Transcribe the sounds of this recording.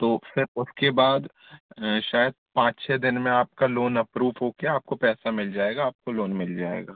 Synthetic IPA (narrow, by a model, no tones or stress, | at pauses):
t̪oːfɪɾʊskebaːd̪ | ʃaːjəd̪̚pãːt͡ʃt͡ʃʰɛːd̪ɪnmẽaːp̚kaloːnɐpɾuːʋɦoːkeaːp̚kopɛːsamɪld͡ʒaːeːɡaːp̚koloːnmɪld͡ʒaːḛːɡaː